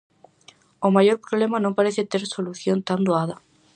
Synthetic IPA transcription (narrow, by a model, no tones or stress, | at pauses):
omajoɾpɾoβlemanõmpaɾeθet̪eɾsoluθjont̪and̪oaða